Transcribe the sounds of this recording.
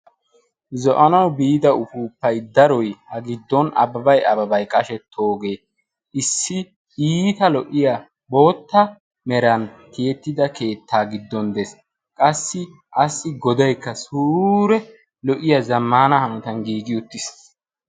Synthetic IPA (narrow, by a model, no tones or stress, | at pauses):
zɔʔɐnɐwbiːd̪ɐʊfuːpːɐjd̪ɐɾɔjhɐɡɪd̪ːɔnɐ̰bɐbɐjɐbɐbɐjkʼɐʃɛt̪ʰːo̞ːɡe̞ː | ʔɪsːɪ | ʔiːt̪ɐlɔʔːɪja | bo̞ːt̪ːɐ | mɛɾɐnt̪ɪjɛt̪ːɪd̪ɐke̞ːt̪ːaːɡɪd̪ːɔnd̪ɛs | kʼɐsːɪ | ʔɐsːɪɡɔd̪ɐjkːɐsuːɾɛ | lɔʔɪjɐzɐmːaːnɐhɐnɔt̪ɐnɡiːɡɪʊt̪ːɪs